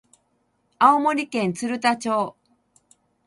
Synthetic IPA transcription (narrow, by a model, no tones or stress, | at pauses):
aomo̞ɾʲikẽ̞nt͡sɨɾɯ̟t̪at͡ɕoː